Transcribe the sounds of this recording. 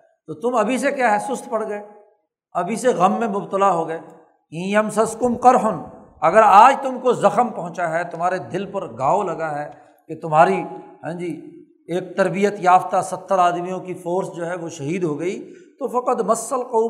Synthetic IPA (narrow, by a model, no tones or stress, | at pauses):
t̪oːt̪ʊmɐbʱis̬ekjaːɦɛsʊst̪ʰpɐɽɡɐeː | ɐbʱiseɣɐmːẽmʊbt̪əlaɦoɡɐeː | ĩːəmsɐskʊmqɐɾɦʊn | ɐɡəɾaːd͡ʒt̪ʊmkozɐxəmpɐ̃ɦʊ̃t͡ʃaɦɛt̪ʊmaːɾed̪ɪlpɐɾɡaːolɐɡaɦɛː | ket̪ʊmɦaːɾiɦɛ̃ːd͡ʒiː | eːk̚t̪ɐɾbijət̪jaːft̪asɐt̪ʰːəɾaːd̪mijõkifoːɾsd͡ʒoːɦɛʋoʃɐɦiːd̪ɦoɡɐit̪ofɐqəd̪mɐsːəlqoː